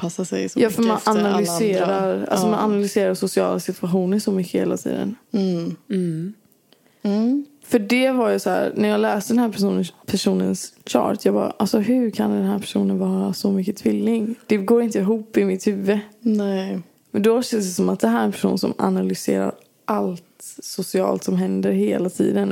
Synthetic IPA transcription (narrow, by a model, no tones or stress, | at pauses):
pʰasasɛ̰jsɔjɑːfœɾmmanannalʏseːɾaɾʔa̰lssɔmananalʏseːɾasʊsɪɑ̰ːlasɪt̪ʰvaɧuːnəɾsɔmʏkːəheːlat̪ʰḭːd̪ə̰n | fœɖɛvaɾjɵsɔhæ̰ːɾnæɾjɑːɡlɛːst̪əɖ̪ɛnɦæːnpʰæʂuːnənsɕɑ̰ːʈjɑːɡbɑ̰ːɾa̰ʔalsɔɦɵ̟ɾkʰand̪ɛnɦæːɾpʰæ̥ʂuːnənvɑːɾasɔmʏkːət̪ʰvɪlːɪŋd̪̥ɛɡoːɾɪnt̪əɪɦuːpːɪmɪt̪hʉːvənɛ | mɛnd̪ɔɕɛnsd̪ɛsɔmat̪̚d̪ɛɦæɾɛnpʰæ̥ʂṵːnsɔ̰ma̰nalʏsḛːɾa̰ɾ | ʔalt̪sʊsɪɑ̰ːlt̪sɔmɦɛnd̪əɾheːlat̪ʰḭːd̪ən